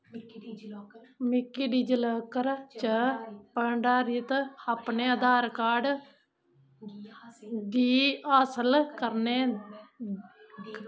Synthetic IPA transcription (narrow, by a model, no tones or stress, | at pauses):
mɪkːiːɖiːd͡ʒələːkəɾt͡ʃəpəɳɖaːɾit̪aːpneːəd̪ʱaːɾkaːɖ | d̪iːaːsəlkəɾneː